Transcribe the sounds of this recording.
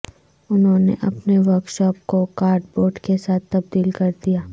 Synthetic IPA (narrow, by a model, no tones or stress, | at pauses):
ʊnɦõːnḛʔɐpneʋɐɾkʃɔːp̚kokaːɾɖboːɾɖkesaːtb̪ːɐb̚d̪iːlkɐɾd̪ijaː